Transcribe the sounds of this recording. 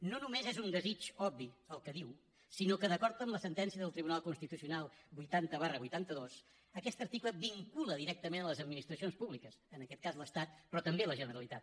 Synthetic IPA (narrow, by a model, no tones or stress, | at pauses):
nonumezezund̪əzit͡ʃɔbːiəlˠkəðiw | sinokəðəkɔɾt̪əmləsənt̪ɛnsiəðəlˠt̪ɾiβunalˠkunst̪it̪usiunalˠbujt̪ant̪əβarəβujt̪ant̪əðos | əkɛst̪əɾt̪ikləβiŋkuləðiɾɛk̚t̪əmenələzəd̪minist̪ɾəsionspuβlikəsənəkɛt̪̚kazləst̪at̪̚pɾɔt̪əmbeləʒənəɾəlit̪at̪